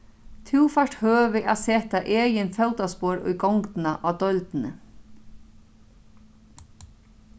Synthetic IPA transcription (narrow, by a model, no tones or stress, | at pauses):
t̪ʰuwfaʂʈhøːʋɪʔaseːt̪aʔeːjɪnfɛwt̪aspoːɾʊ̰jɡɔwŋk̪naʔaːwd̪œlt̪nə̰